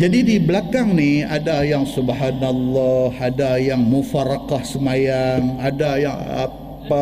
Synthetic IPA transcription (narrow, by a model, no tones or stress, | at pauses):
d͡ʒadidibəlakaŋnia̰dajaŋsubhanalːɔhadajaŋmufaɾakahsəmajaŋadajaŋa̰ | pa